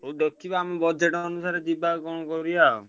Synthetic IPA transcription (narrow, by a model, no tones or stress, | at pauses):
oɖɔkːibaamebɔd͡ʒeʈɔnusaɾed͡ʒibaɡɔɽ̃ɔkɔɾija